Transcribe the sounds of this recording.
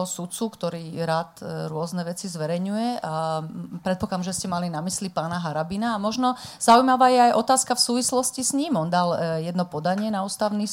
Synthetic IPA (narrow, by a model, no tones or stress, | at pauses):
ɔsut̪t͡sukt̪ɔɾiːɾaːt̪ɾʊɔznɛʋɛt͡sizʋɛɾɛjɲujɛapɾɛt̪̚pɔklaːmʒɛscɛmalinamislipaːnaɦaɾabinaːmɔʒnɔz̥aujmaʋaːjɛajʔɔt̪aːskafsuːʋislɔscisɲimɔnd̪aljɛd̪nɔpɔd̪aɲɪɛnaust̪aʊni